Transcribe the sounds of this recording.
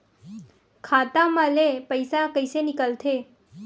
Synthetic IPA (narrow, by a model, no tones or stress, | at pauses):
kʰat̪aməlepəjsakəjsenikəlt̪ʰe